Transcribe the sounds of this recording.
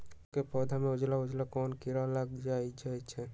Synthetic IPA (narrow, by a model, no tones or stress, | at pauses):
kepɔd̪ʱamẽʊd͡ʒlaʊd͡ʒlakɔːnkiɾalaɡd͡ʒajd͡ʒʰajt͡ʃʰɛ